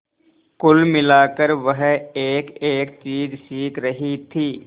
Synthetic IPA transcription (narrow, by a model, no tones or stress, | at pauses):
kʊlmɪlaːkəɾʋəɦeːkeːkt͡ʃiːzsiːkɾəɦit̪ʰiː